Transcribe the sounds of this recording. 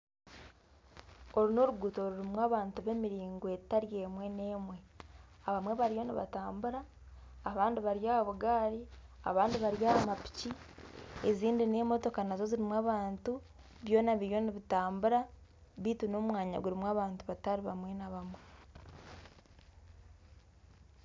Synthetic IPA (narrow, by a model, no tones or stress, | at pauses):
o̞ɾino̞ɾuɡuːto̞ɾuɾimwaːβaːntuβe̞miɾiːŋɡwe̞taɾje̞ːmwe̞ne̞ːmwe̞aβamwe̞βaɾjo̞niβa̰taːmbuɾaː | βaːndiβaɾjaːβaβuɡaːɾia̰βaːndiβaɾjaːamapi̥ci | eziːndine̞ːmo̞to̞kanazo̞ziɾimwaːβaːntu | βjo̞ːnaβiɾjo̞niβitaːmbuɾa | βiːtuno̞mwaːɲa̰ɡuɾimwaːβaːntuβataɾiβamwe̞naβamwe̞